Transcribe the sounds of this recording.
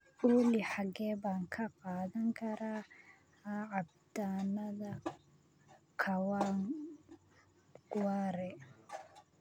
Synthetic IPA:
uliħaɡɛbaŋkʰaqaðaŋkaɾa | aab̚ | tanaða | kʰawaŋ | ɡ̥waɾɛ

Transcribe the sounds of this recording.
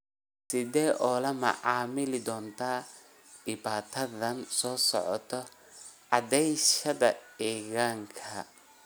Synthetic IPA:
sɪðɛːʔɔːlɐmɐ̰ʕɑːmɪlɪd̪ɔːnt̪ʰaː | dɪbaːt̪ʰɐðɐnsɔːsɔ̰ʕɔ̰t̪ʰɔ | ʕɑd̪ɛjʃɐðɐɛːɣaːŋkʰɐ

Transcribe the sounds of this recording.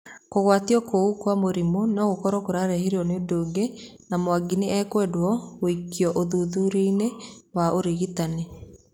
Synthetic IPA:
koɣwatiɔkoukwamoɾimonɔɣokɔɾɔkoɾaɾɛheɾiɔnedoːɡe | namwaɡiniɛkwɛdwɔɣoikːiɔʔoðuðuɾenewaoɾiɣitane

